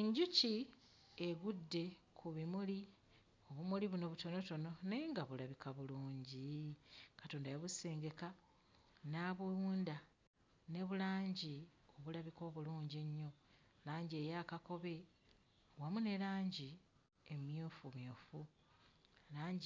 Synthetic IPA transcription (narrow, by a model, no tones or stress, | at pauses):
eɲɟuci | eɡudːe̞kʰuβimuli | oβumuliβuno̞βuto̞no̞to̞no̞ne̞ːŋɡaβulaβikaβuluːɲɟi | kato̞ːndajaβuse̞ːŋɡe̞ka | naβujuːnda | ne̞βulaːɲɟio̞βulaβiko̞ːβuluːɲɟie̞ɲːo̞ | laːɲɟie̞jakako̞βe̞ | wamune̞laːɲɟi | emjoːfumjoːfu | laːɲɟ